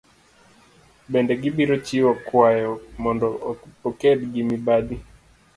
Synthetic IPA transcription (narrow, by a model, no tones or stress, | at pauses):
bɛndɛɡibiɾɔt͡ʃiwakwaɔmɔndɔpɔkɛdɡimibaɗi